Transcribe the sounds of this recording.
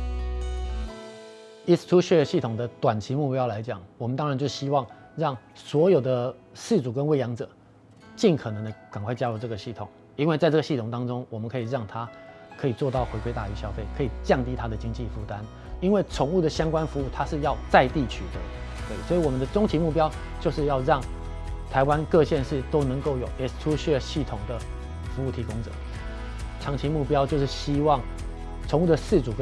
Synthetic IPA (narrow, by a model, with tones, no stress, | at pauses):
i˥st̪ʰu˥ɕɛ˥˩˨ɕi˥˩t̪ʰʊ˨˩ŋd̪ə˦t̪wa˨˩nt͡ɕʰi˧˥mu˥˧pjɑ˥ʊla˧˦˥ɪt͡ɕjɑ˨˩ŋwɔ˨˩mə˦nt̪ɑ˥ŋɻa˧˦nt͡ɕjo˥˩ʊɕi˥wɑ˥˩ŋ | ɻɑ˥˩ŋ | swɔ˧˥jo˨˩ʊd̪ə˦ | ʂɻ̩˥˩t͡su˨˩kə˦nwe˥˩ɪjɑ˧˥ŋt͡sɤ˨˩˦ | t͡ɕi˥˩nkʰɤ˨˩nə˧˥ŋd̪ə˧ka˨˩ŋkʰwa˥˩ɪt͡ɕja˥ɻu˥˧ʈ͡ʂɤ˥˩ɡə˩ɕi˥˩t̪ʰʊ˨˩˦ŋ | i˥nwe˥˧t͡sa˥˧ʈ͡ʂɤ˥˩ɡə˧ɕi˥˩t̪ʰʊ˨˩ŋt̪ɑ˥ŋʈ͡ʂʊ˥ŋwɔ˨˩mə˦nkʰɤ˧˥i˨˩ɻɑ˥˩ŋt̪ʰa˥kʰɤ˧˥i˨˩t͡swɔ˥˧t̪ɑ˥˩ʊxwe˧˥ɪkwe˥˧ɪa̰˥˩y˧˥ɕjɑ˥ʊfe˥˩ɪkʰɤ˧˥i˨˩t͡ɕjɑ˥˩ŋt̪i˥t̪ʰa˥d̪ə˨t͡ɕi˥ŋt͡ɕi˥˧fu˥˩t̪a˦n | i˥nwe˥˩ɪʈ͡ʂʰʊ˨˩ŋu˥˩d̪ə˩ɕjɑ˥ŋkwa˥nfu˧˥u˥˩t̪ʰa˥ʂɻ̩˥˧jɑ˥˧ʊt͡sa˥˧ɪt̪i˥˩t͡ɕʰy˨˩d̪ə˦˧˩ | i˨˩swi˨˧wɔ˨˩mə˦nd̪ə˧ʈ͡ʂʊ˥ŋt͡ɕʰi˧˥mu˥˩pjɑ˥ʊ | t͡ɕjo˥˧ʊʂɻ̩˥˧jɑ˥˧ʊɻɑ˥˩ŋ | t̪ʰa˧˥ɪwa˦nkɤ˥˧ɕjɛ˥˧nʂɻ̩˥˩t̪o˥ʊnɤ˧˥ŋko˥˩ʊjo˨˩ʊjɛ˨˩˥ʈ͡ʂʰu˥ɕɛ˥˩ɕi˥˩t̪ʰʊ˨˩ŋd̪ə˦ | fu˧˥u˥˩t̪ʰi˧˥kʊ˥ŋʈ͡ʂɤ̰˨˩˦ | ʈ͡ʂʰɑ˧˥ŋt͡ɕʰi˧˥mu˥˩pjɑ˥ʊt͡ɕjo˥˧ʊʂɻ̩˥˩ɕi˥wɑ˥˩ŋ | ʈ͡ʂʰʊ˧˥ŋu˥˩d̪ə˩ʂɻ̩˥˩ʈ͡ʂu˨˩